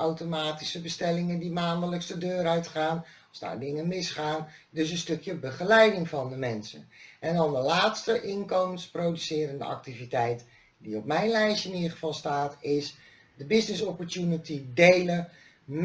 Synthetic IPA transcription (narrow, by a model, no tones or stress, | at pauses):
awtomaːtisəbəstɛlɪŋəndimaːnələksdədøːɾœɥtχaːnɑlˠzda̰ːɹdɪŋənmɪsχaːndɵs̬ə̃nstɵkjəbəχəlɛjdɪŋvɑndəmɛnsə̰nʔɛndɑndəlaːtstəʔɪnkoməsprowdysɪːɾəndə̰ɑ̰k̚tivitɛjt | diɔp̚mɛjnlɛjʃəɪnidχəvɑlˠstaːtɪs | dəbɪsnɪsɔpəɹtjunitidejlə | m